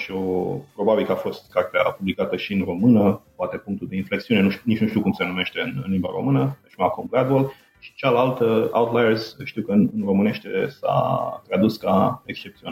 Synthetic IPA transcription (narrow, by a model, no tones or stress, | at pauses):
ʃio̞pɾo̞babilkəafo̞st̪kart̪ea̰publikat̪əʃiɨnro̞mɨnəpoat̪e̞puŋk̚t̪uld̪e̞inflek̚t̪siune̞nunit͡ʃnuʃt̪iwkumse̞nume̞ʃt̪e̞ɨnɨnlimba̰ɾo̞̰mɨnəət͡ʃmakumɡɾad̪uol | ʃi̥t͡ʃalalt̪əa̰wt̪lajerzʃt̪iwkənɨnro̞mɨne̞ʃt̪sa̰t̪ɾad̪uskaekst͡ʃe̞p̚t̪sion